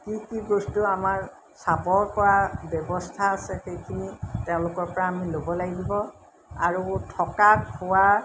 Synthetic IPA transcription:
kikiɡostuamaɹ | sapɔɹpɔwabjɔbɔstʰaːsɛxejkʰiniteʊ̃lʊkɔɹpɔɹaːmilobɔlaɡidibɔ | aɹutʰɔkakʰʊwa

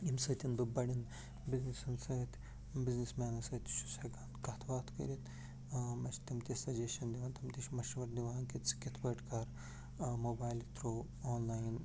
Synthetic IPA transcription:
imsəːt̪ʲinbɨbɐɽin | biznisɐnsɐːt̪ʲ | biznismɛːnɐsɐːt̪ʃu̥sɐɡaːnkɐt̪ʰʋaːt̪ʰkə̰ɾʲit̪ | mɐt͡ʃʰt̪ɐmt̪isʲɐd͡ʒeːʃɐnd̪iʋaːnt̪ɐmt̪iʃmɐʃʋɐɾd̪iʋaːnkit̪si̥kit̪ʰbɐːʈkɐɾ | moːbaːjlt̪ɾoː | oːnlaːjn

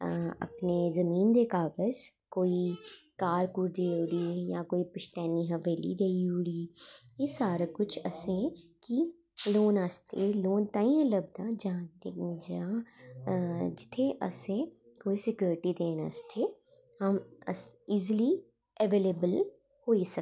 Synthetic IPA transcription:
ɐ̰pnezɐmiːnd̪eːkaːbəd͡ʒkoːikaːɾkuːɾd͡ʒ̪eːʊɽijakoːipɪʃt̪ɛːniɦɐʋeːlḭɡɐiɦʊɽiːjɪsaːɾakʊt͡ʃʰɐ̰sẽki | loːnast̪ʰeloːnt̪aːĩẽlɐbd̪ãd͡ʒaãt̪ed͡ʒa | d͡ʒɪt̪ʰẽʔɐ̰sẽ | koːisɪkjoːɾɪʈid̪eːna̰st̪ʰe | hɐmɐ̰siːzli | ɛʋeːleːbəl | hoːisɐ

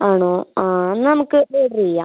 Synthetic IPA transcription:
aːɳoːaːnnɐmukːɨeɽɾijːa̰ː

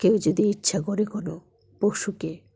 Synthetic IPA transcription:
kewd͡ʑod̪iitːɕʰakɔɾekono | poʃuke

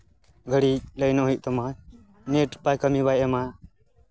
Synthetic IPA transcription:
ɡʱəɽiːləjnoɦit̪əmãː | neːʈpaːjkəmiːbajemã

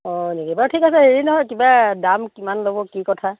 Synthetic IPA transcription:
ɔnekibatʰikasɛɦeɹinɔɦɔjkibadamkimanlobɔkikɔtʰa

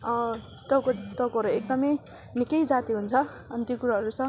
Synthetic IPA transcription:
ʌ | t̪ʌkot̪ʌkoɦʌɾuek̚d̪ʌmʌj | nikʌjd͡zat̪iɦunt͡sʰʌ | ʌnt̪jokuɾaɦʌɾusʌ̃

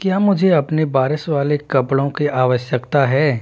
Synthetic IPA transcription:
kjaːmʊd͡ʒʱeɐpnebaːɾɪʃʋaːlekɐpɽõkiʔaːʋəʃjəkt̪aɦɛː

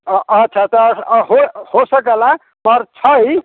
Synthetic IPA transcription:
tːt͡ʃʰat̪ʌɦohosək̬əla | mʌɾt͡ʃʰʌj

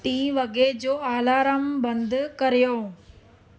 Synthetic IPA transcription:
t̪ĩːʋɐɡed͡ʑoːaːlaːɾəmbɐ̃nd̪ʱkɐɾijoː

